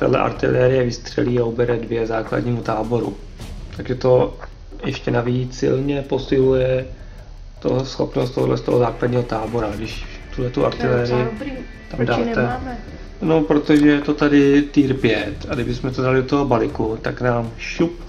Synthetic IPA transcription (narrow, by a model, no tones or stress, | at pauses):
t̪ɛ̰dlɛ̰ʔa̰ɾt̪ɪ̰lɛːɾɪjɛvɪst̪r̝̥ɛ̰liːaobɛɾɛdvjɛzaːkla̰dɲiːmut̪aːbo̞ɾṵ | t̪aɡʒɛt̪o̞ | jɛʃcɛnaviːt͡ssɪ̰lɲɛpo̞sɪlujɛ | t̪o̰sxo̞̰pnost̪oɦdlɛ̰st̪oɦozaːkladɲiːɦot̪aːbo̞ɾaɡdɪʃ | t̪uɦlɛt̪uʔa̰ɾt̪ɪlɛːɾɪjɪɾi | t̪amdaːɛmɛ | nopɾot̪oʒɛjɛt̪ot̪adɪt̪iːɾpjɛt̪aɡdɪbɪsmɛt̪odalɪdot̪oɦobalɪkut̪aknaːmʃup̚